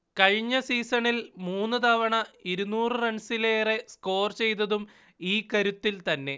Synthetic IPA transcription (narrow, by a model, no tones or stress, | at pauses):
kɐɻɲːɐsiːsɐɳilmuːnːɨt̪aːʋɐɳɐiɾunuːrɨrɐɳsileːre̞sko̞ːrt͡ɕe̞jt̪ɐðum | iːkɐɾut̪ːilt̪ɐnːe̞